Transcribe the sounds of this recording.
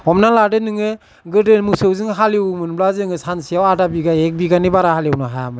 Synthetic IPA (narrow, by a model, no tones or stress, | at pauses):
ɔmnaladɯnɯŋɯ | ɡɯdɯnmusɯwzɯŋɦaliwmɯnblazɯŋɯsansijawadabiɡaek̚biɡanibaɾahaljwnɯɦajamɯ